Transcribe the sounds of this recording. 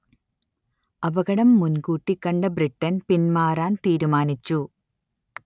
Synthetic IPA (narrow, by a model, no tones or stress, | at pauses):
ɐbɐɣɐɽɐmːunkuːʈːikːɐɳɖɐbriʈːɐnpinmaːraːnt̪iːɾumaːnit͡ɕːu